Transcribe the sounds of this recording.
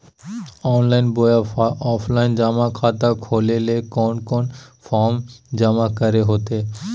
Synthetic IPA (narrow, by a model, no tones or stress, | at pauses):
ɔnlajnbojaɔpʰlajnd͡ʑamakʰat̪akʰolelekɔnkɔnfɔɾmd͡ʑamakaɾeɦot̪e